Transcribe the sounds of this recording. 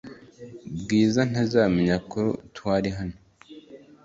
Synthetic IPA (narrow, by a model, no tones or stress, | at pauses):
bɡiːzan̥azaːmeɲakotwaːɾiɦano